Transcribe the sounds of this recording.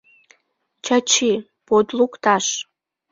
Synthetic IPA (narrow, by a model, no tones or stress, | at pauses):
t͡ɕɑt͡ɕi | pod̪lukt̪ɑʃ